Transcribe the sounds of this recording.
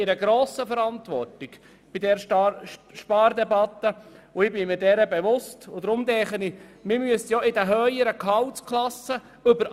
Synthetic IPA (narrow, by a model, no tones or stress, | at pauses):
ɪɾəɡɾoːsəfəɾɑnt̪ʋɔ̰rtɪɡ | b̥id̪ɛɾ | ʃpɑːɾd̪ɛbɑt̪ːəʊɪbɪmɪɾdɛɾəbɛʋʊstʊd̪ɾʊmd̪ɛχənimɪmyəstjɔɪdəɦœʏjəɾəkʰɑwt͡skʰlɑsə | ʏbəɾ